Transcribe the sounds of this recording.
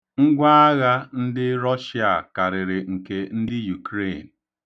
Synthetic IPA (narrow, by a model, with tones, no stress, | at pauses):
ŋ̩˦ɡʷa˦a˦ɣa˦n̩˦dɪ˦ɾɔ˦ʃi˦a˨ka˨ɾɪ˨ɾɪ˨ŋ̩˨ke˨n̩˦dɪ˦ju˨kɾe˦˨n̩˨